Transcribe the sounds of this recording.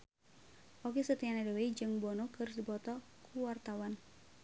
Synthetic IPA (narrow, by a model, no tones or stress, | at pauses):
ʔokesət̪ianadɛweid͡ʒɨŋbɔnɔkɨrdibɔt̪ɔ | kuwart̪awan